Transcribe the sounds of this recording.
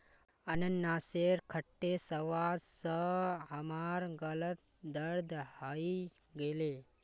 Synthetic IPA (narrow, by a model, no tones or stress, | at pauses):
ənənnaːseɾkʰəʈːesəʋaːsəɦəmaɾɡələt̪̚ | d̪əɾd̪haiɡele